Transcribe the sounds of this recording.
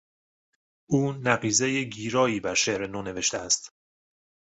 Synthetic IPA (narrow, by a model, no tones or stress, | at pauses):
ʔuːnæɢiːzejeɟiːɾɒːiːbæɾʃeʔɾe̞noːne̞ve̞ʃt̪eæst̪